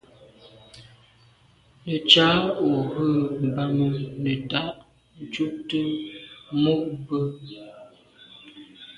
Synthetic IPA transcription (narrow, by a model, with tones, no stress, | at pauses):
nə˨t͡ʃa˨˦o˨ɣə˦˨m̩˨ba˨mu˨nə˨ta˦ʔ | n̩˨t͡ʃu˦p̚tə˦ | mo˦ʔ̚bə˦